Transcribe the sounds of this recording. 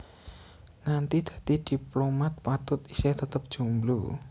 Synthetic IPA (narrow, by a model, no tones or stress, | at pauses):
ŋant̪id̪̥ä̤t̪id̪̥i̤plomat̪̚pat̪ʊt̪isɛht̪ət̪əp̚d̥ʒ̥ṳmlu